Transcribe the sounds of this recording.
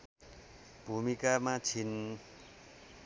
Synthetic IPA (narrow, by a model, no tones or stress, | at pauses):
b̥ʱumikamat͡sʰin